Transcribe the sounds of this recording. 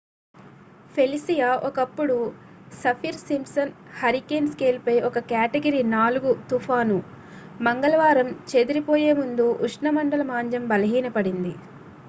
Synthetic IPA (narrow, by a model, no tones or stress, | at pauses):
pʰe̞lisijaːʔɔkɐpːuɽu | sɐpʰiːɾsimsɐn | hɐɾikeːnskeːlpɐjʔɔkɐkaːʈeɡɐɾiːnaːluɡut̪upʰaːnu | mɐŋɡɐlɐʋaːɾɐmt͡ʃe̞d̪uɾipoːje̞ːmund̪uʔːʂɳɐmɐɳɖɐlɐmaːɲd͡ʒɐmbɐlɐɦiːnɐpɐɽind̪i